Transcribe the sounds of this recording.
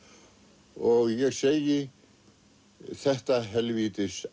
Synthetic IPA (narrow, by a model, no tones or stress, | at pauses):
ɔɣjɛɣsejɪ | θɛht̪aɦɛlviːt̪ɪs